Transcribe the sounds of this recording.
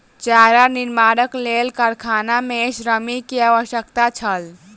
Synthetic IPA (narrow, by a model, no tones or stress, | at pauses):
t͡ʃaːɦɾaniɾmaːɾəkleːlkəɾkʰaːnameʃɾəmikiaːʋəʃjəkt̪at͡ʃʰəl